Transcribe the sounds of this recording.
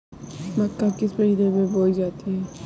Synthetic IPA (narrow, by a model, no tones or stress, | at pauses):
mɐkːakɪspəid̪ebeboːid͡ʒaːt̪iɦɛː